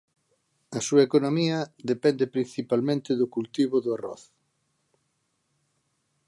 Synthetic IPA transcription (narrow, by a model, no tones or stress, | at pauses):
ɐsuɐekonomiɐðepɛnd̪epɾin̟θipalmẽnt̪ɪðʊkult̪iβʊðʊarɔ̰θ